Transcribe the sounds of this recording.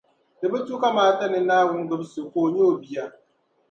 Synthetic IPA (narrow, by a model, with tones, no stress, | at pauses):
dɨ˨bɛ˦tu˦ka˦maː˦ta˦nɪ˨naː˦wʊ˦n˦ɡɨ˦bsɨ˨koː˨ɲo˦˨bi˨ja˦